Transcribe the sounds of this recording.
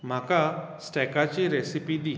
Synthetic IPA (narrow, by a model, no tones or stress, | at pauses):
m̤akasʈɛkat͡ɕiɾesipid̪i